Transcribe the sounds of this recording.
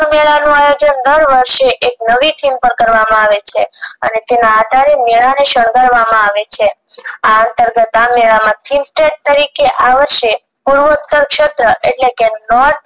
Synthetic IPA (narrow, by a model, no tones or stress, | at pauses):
meɭanũajod͡ʒənd̪əɾʋəɾʃeʔek̚nəʋifʰimpəɾkəɾʋamãaʋet͡ʃʰeə̰net̪enaːd̪ʱaɾemeɭaneʃəɳ̃ɡəɾʋamãaʋet͡ʃʰeaənt̪əɾɡət̪ameɭamãt̪ʰinsʈeʈ̚t̪əɾikeʔaʋəɾʃe | puɾʋəut̪ːəɾkʃət̪ɾəʔeʈlekenɔɾt̪̚